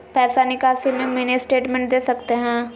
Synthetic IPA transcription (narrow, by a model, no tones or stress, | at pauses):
pɛːsaːnɪkaːsimẽmenesʈeːʈmɛ̃ɳʈ̚d̪eːsəkt̪eɦɛ̃ː